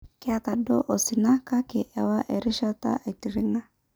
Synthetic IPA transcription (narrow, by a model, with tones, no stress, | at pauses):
kɪ˦a˨ta˨dɔ˦ʔɔ˨sɪ˨na˦ka˦kɪ˨ʔɛ˨wa˦ʔɛ˨ɾi˦ʃa˦ta̰˦ʔɛ˨ti˨ɾɪ˦ŋa˦